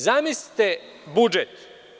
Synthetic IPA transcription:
zamisli̥t̪e | bud͡ʒet̪

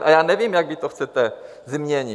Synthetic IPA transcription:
ʔajaːnɛvjimjaɡvit̪oxt͡sɛt̪ɛ | zmɲɛɲi

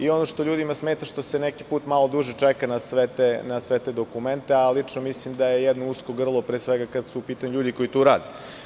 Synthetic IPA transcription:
io̞noʃt̪oʎuːd̪imasmeːt̪aʃt̪osenɛki̥puːt̪malo̞d̪uʒet͡ʃɛkanasʋet̪enasʋet̪ed̪o̞kument̪ealit͡ʂnomislimd̪ajejɛd̪nouskoɡr̩lˠopɾeːsʋɛɡakad̪suupiːt̪aɲuʎuːd̪iko̞it̪uːɾaːd̪e

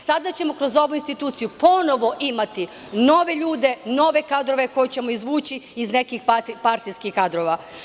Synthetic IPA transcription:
sad̪at͡ɕe̞mo̞kɾo̞zo̞ʋuinst̪it̪uːt̪sijupo̞no̞ʋo̞ʔimat̪i | no̞ʋe̞ʎuːd̪e̞no̞ʋe̞kad̪ɾo̞ʋe̞ko̞jet͡ɕe̞mo̞izʋuːt͡ɕiizne̞kixpat̪ipaɾt̪ijskixkad̪ɾo̞ʋa

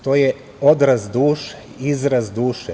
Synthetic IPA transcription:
t̪oːje | od̪ɾazd̪uːʃe̥ | izɾazd̪uːʃɛ

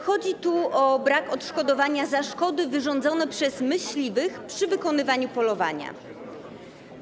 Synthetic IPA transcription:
xɔd͡ʑit̪uʔɔbɾakɔt̪ʂkɔd̪ɔvaɲazaʂkɔd̪ɘvɘʐɔ̃nd̪zɔnɛpʂɛzmɘɕlʲivɘxpʂɘvɘkɔnɘvaɲupɔlɔva̰ɲa̰

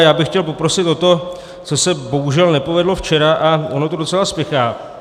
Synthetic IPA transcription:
jaːbɪxcɛlpo̞pɾo̞sɪt̪o̞t̪o̞ | t͡so̞sɛbo̞ɦuʒɛlnɛpovɛdlo̞ft͡ʃɛɾaʔaono̞t̪odo̞t͡sɛlaspɪxaː

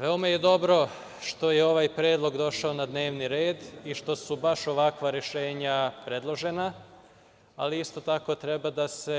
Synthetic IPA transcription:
ʋe̞omaje̞d̪o̞bɾo̞ | ʃt̪o̞jeo̞ʋajpɾeːd̪lˠo̞ɡd̪o̞ʃaonad̪neːʋniɾe̞ːd̪iʃt̪o̞subaʃo̞ʋakʋaɾeʃe̞ːɲapɾe̞d̪lˠo̞ʒe̞na | aliist̪o̞t̪ako̞t̪ɾe̞bad̪ase̞

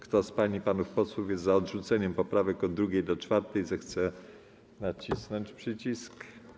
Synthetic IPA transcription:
kt̪ɔspaɲipanufpɔswufjɛzt̪zaɔdʐut̪sɛɲɛmpɔpɾavɛkɔd̪d̪ːɾuɡʲejd̪ɔt͡ʂfaɾt̪ɛjzɛxt̪sɛ | nat͡ɕisnɔɲt͡ɕpʂɘt͡ɕisk

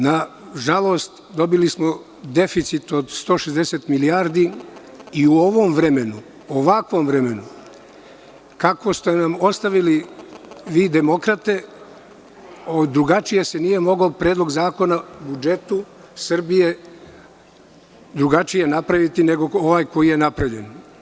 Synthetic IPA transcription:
na | ʒalˠo̞ːst̪ | d̪o̞bilismo̞ | d̪e̞fit̪sit̪o̞d̪st̪o̞ːʃezd̪eset̪miliaːɾd̪i | iuoʋomʋɾe̞me̞nu | oʋakʋo̞mʋɾeme̞nu | kako̞st̪e̞namo̞st̪aʋili | ʋiːd̪e̞mo̞kɾat̪e̞ | od̪ɾuɡat͡ʃije̞se̞nije̞mo̞ɡopɾeːd̪lˠo̞ɡzaːko̞nabud͡ʒe̞t̪u | sr̩bije̞ | d̪ɾuɡat͡ʃije̞napɾaʋit̪ine̞ɡo̞oʋaːjko̞jije̞napɾeʎen

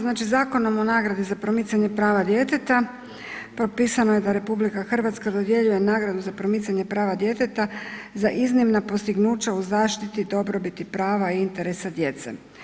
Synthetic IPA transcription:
znaːt͡ʃizaːko̞no̞mo̞naːɡɾad̪izapɾo̞mit̪saɲe̞pɾaːʋad̪je̞t̪e̞t̪a | pɾopiːsanoje̞d̪aɾe̞publikaxr̩ʋat̪skad̪o̞d̪je̞ʎuje̞naːɡɾad̪uzapɾo̞mit̪saɲe̞pɾaːʋad̪je̞t̪e̞t̪azaʔiznimnapo̞st̪iɡnuːt͡ɕauzaːʃt̪it̪id̪o̞bɾo̞bit̪ipɾaːʋaiint̪e̞ɾesad̪je̞t̪sḛ

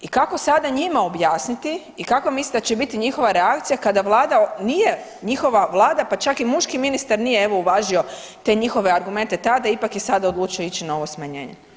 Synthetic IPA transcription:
ikako̞sad̪aɲimao̞bjaːsnit̪i | ikakomislit̪at͡ɕt͡ʃebit̪iɲixo̞ʋaɾeakt̪sijakad̪aʋlˠaːd̪anije̞ | ɲixo̞ʋaʋlˠaːd̪apat͡ʃakimuʃkiminist̪aɾnijeeʋo̞uʋaːʒio̞ | t̪e̞ɲixo̞ʋeaɾɡume̞nt̪e̞t̪ad̪aipakjesad̪aod̪lˠuːt͡ʃio̞it͡ʃinao̞ʋosmaɲe̞̰ːɲe

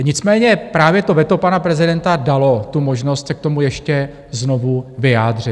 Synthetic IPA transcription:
ɲɪt͡smɛːɲɛpɾaːvjɛt̪ovɛt̪o̞panapɾɛzɪdɛnt̪adalo̞t̪umo̞ʒno̞st̪sɛk̚t̪o̞mujɛʃcɛ | zno̞vuvɪjaːdr̝ɪt̪

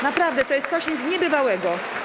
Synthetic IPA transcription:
napɾavd̪ɛt̪ɔjɛst̪sɔɕɲzɲɛbɘvawɛɡɔ

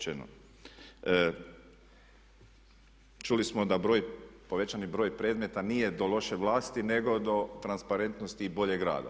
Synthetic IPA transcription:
eno̰ | t͡ʃulismod̪abɾo̞ːjpo̞ʋe̞t͡ʃanibɾo̞ːjpɾe̞ːd̪me̞t̪anije̞d̪o̞lˠo̞ʃeʋlˠaːst̪ine̞ɡo̞d̪o̞t̪ɾanspaɾe̞nt̪nost̪ibo̞ʎe̞ɡɾa̰ːd̪a̰

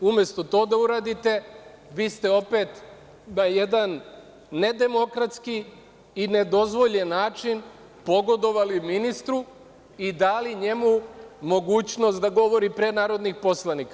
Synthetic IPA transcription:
umje̞st̪o̞t̪o̞ːd̪auɾaːd̪it̪e̞ʋiːst̪e̞o̞pe̞ːt̪ | naje̞d̪anː | e̞d̪e̞mo̞kɾat̪skiː | ne̞d̪o̞zʋo̞ʎenːaːt͡ʃin | po̞ɡo̞d̪o̞ʋaliminist̪ɾu | id̪aliɲe̞mumo̞ɡuːt͡ɕno̞st̪d̪aɡo̞ʋo̞ɾipɾenaːɾo̞d̪nixpo̞slˠaniːka

